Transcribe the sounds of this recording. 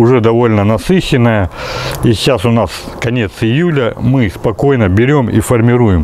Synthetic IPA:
ʊʐɛd̪ɐvo̞lʲnənɐsɨɕɪnːəjəiɕasʊnaskɐnʲe̞t̪sɪjulʲəmɨspɐko̞jnəbʲɪɾʲo̞mḭfərmʲɪɾujɪm

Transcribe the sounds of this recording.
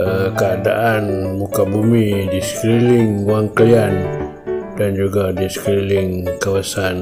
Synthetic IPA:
əkəada̰ʔanbukabumidisə̥kɾilɪŋwaŋkəlian | d̥and͡ʒuɡadisə̥kɾilɪŋkawasan

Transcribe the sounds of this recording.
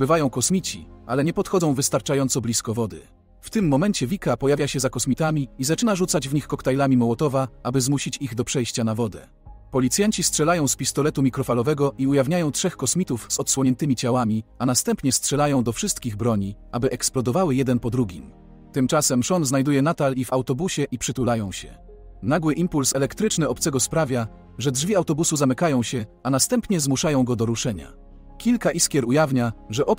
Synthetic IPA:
bɘvajɔ̃w̃kɔsmʲit͡ɕḭa̰lɛɲɛpɔt̪xɔd̪ɔ̃w̃vɘst̪aɾt͡ʂajɔnt̪sɔblʲiskɔvɔd̪ɘ̰ | ft̪ɘmːɔmɛɲt͡ɕɛvʲikapɔjavʲjaɕɛzakɔsmʲit̪amʲiizat͡ʂɘnaʐut̪sad͡ʑvɲixkɔkt̪ajlamʲimɔwɔt̪ɔvaabɘzmuɕit͡ɕiɣd̪ɔpʂɛjɕt͡ɕanavɔd̪ɛ̰ | pɔlʲit̪sʲjaɲt͡ɕistʂɛlajɔ̃w̃spʲist̪ɔlɛt̪umʲikɾɔfalɔvɛɡɔʔiujavɲajɔ̃w̃tʂɛxkɔsmʲit̪ufzɔt̪swɔɲɛnt̪ɘmʲit͡ɕawamʲianast̪ɛmpɲɛstʂɛlajɔ̃w̃d̪ɔfʂɘst̪kʲiɣbɾɔɲi | abɘʔɛksplɔd̪ɔvawɘjɛd̪ɛnpɔd̪ɾuɡʲim | t̪ɘmt͡ʂasɛmʂɔnznajd̪ujɛnat̪alivawt̪ɔbuɕɛʔipʂɘt̪ulajɔ̃w̃ɕɛ̰ | naɡwɘʔimpulsɛlɛkt̪ɾɘt͡ʂnɘɔpt̪sɛɡɔspɾavʲja | ʐɛdʐvʲiawt̪ɔbusuzamɘkajɔ̃w̃ɕɛanast̪ɛmpɲɛzmuʂajɔ̃w̃ɡɔd̪ɔɾuʂɛɲa̰ | kʲilkaʔiskʲjɛɾujavɲaʐɛʔɔp

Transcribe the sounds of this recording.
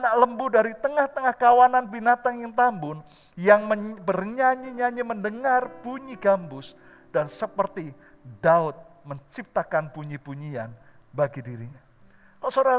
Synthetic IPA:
naləmbudaɾit̪əŋaht̪əŋahkawananbinat̪aŋjaŋt̪ambʊn | jaŋməbərɲaɲiɲaɲiməndəŋarb̥uɲiɡambʊs | d̥ansəpərt̪i | daʊt̪̚məɲt͡ʃip̚t̪akanbuɲibuɲia̰n | baɡidiɾiɲa | kalosoɾa

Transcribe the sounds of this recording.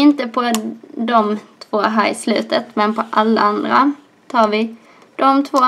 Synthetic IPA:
ɪnt̪əpʰɔd̪ɔmt̪ʰvoːɦæːɾɪslʉːt̪ət̪mɛnpʰɔʔɑlːə̰ɑnd̪ɾə̰ | t̪ʰɑːɾʋɪ | d̪̥ɔmt̪ʰvoː

